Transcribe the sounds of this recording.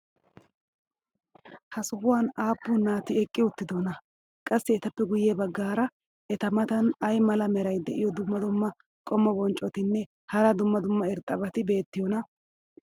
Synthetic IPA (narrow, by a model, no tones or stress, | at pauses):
hɐsʊhʊwaːnaːpːʊnːaːt̪ɪɛkʼːɪʊt̪ːɪd̪onɐ | kʼɐsːɪːt̪ɐpːɛɡʊjeːbɐɡːaːɾɐ | ʔɛt̪ɐmɐt̪ɐnɐjmɐlɐmɛɾɐjd̪ɛʔɪjɔd̪ʊmːɐd̪ʊmːɐ | kʼɔmːɔbɔnt͡ʃʼːɔt̪ɪnːɛ | hɐɾɐd̪ʊmːɐd̪ʊmːɐɪɾt̪ʼɐbɐt̪ɪbe̞ːt̪ːɪjɔnɐ